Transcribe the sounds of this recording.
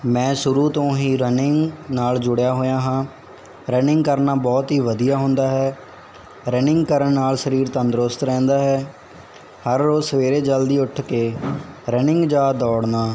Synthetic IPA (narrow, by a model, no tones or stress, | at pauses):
mɛ̃ːʃʊɾuːt̪õːɦiːɾənɪŋɡnaːld͡ʒʊɽjaːɦoːjãːɦãː | ɾənɪŋɡkəɾnaːbɔːt̪ɦiːʋəd̪ijaːɦʊnd̪aːɦɛː | ɾənɪŋɡkəɾəɳnaːlsəɾiːɾt̪ənd̪ɾʊst̪ɾɛ̃ːnd̪aːɦɛː | həɾːoːzsəʋeːɾeːd͡ʒəld̪iːʊʈʰkeːɾənɪŋɡd͡ʒaːd̪ɔːɽnaː